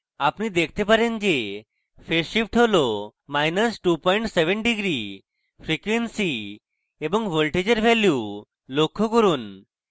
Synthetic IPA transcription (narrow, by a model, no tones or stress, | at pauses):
apnid̪ekʰt̪epaɾend͡ʑe | feʃip̚ʈʰeʋlɔmajnəsʈupɔiɳʈseʋənɖiɡɾi | fɾikʋensi | ebə̃ŋɡʋolʈed͡ʑəɾʋʱɛlju | lokʰːokəɾuːn